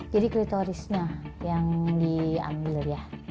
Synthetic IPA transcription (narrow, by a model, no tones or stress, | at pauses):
d͡ʒadikɾit̪oɾisɲajaŋdia̰mbilərjah